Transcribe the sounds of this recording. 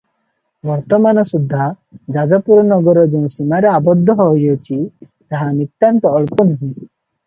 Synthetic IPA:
bɔɾt̪ɔmanɔsud̪ʱːa | d͡ʒad͡ʒɔpuɾɔnɔɡɔɾɔd͡ʒõsimaɾeabɔd̪ʱːɔɦɔɦojɔt͡ʃʰi | t̪aɦanit̪ːant̪ɔːɭpɔnuɦĩ

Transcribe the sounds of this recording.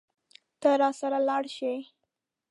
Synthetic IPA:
t̪əɾɑsaɾalɑɽʃe

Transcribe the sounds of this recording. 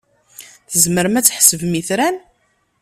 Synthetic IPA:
θəzməɾmæt͡sːħsəvmiθɾæn

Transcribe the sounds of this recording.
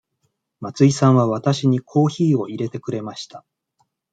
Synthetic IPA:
mat͡sɨisãɰ̃βaβat̪aɕiɲ̟ikʰo̞ːçiːo̞iɾe̞t̪e̞kɯ̟ɾe̞maɕi̥t̪a

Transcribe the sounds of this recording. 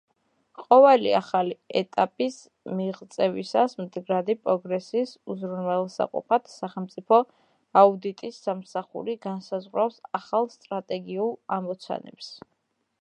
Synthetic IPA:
qʼɔvɛlḭaχaliɛt̪ʼapʼis | miʁt̪sʼɛvisasmd̪ɡɾad̪ipʼɾɔɡɾɛsiːsuzɾunwɛlˠsa̰qʼṵpʰat̪ʰsaχɛlmt̪sʼipʰɔ | aud̪it̪ʼisːamsaχṵɾiɡansazʁwɾafsaχalˠst̪ʼɾat̪ʼɛɡiulˠamɔt̪sʰa̰nɛ̰ps

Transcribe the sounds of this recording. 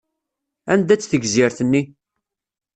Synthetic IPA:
ænd̪æt͡sːθəɡzɪɾθənːi

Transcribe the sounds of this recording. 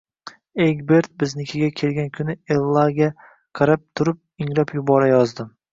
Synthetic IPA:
eɡʲbe̞ɾt̪̚bɪznɪkʲʰɪɡʲakʲʰe̞lɡʲankʲʰʊnɪelˠːaɡʲa | qʰɑɾap̚t̪ʰʊɾɪp̚ɪŋɾapjʊbɒɾajɒzd̪ɪm

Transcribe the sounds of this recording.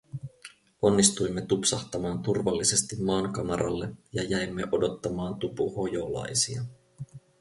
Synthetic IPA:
o̞nːist̪ujmːe̞t̪upsɑht̪ɑmɑːnt̪urʋɑlːise̞st̪imːɑːŋkɑmɑɾʔɑ̰lːe̞jɑjæjmːe̞ʔo̞do̞t̪ːɑmɑːnt̪upuho̞jo̞lɑ̰jsiɑ

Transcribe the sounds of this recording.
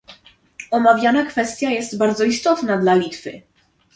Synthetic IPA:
ɔmavʲjanakfɛst̪ʲjajɛst̪baɾd̪zɔist̪ɔt̪nad̪lalʲit̪fɘ̰

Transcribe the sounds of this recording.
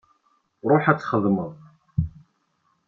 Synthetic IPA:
ɾˤoħæt͡sːχəðˤməðˤ

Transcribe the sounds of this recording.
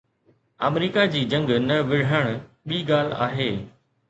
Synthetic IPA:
a̰ːmɾiːkad͡ʑiːd͡ʑɐ̃ŋɡnɐʋɪɽ̤əɽ̃ | ɓiːɠaːl̤a̰ːɦeː

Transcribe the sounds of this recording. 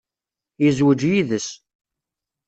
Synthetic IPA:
jəzwəd͡ʒjiðəs

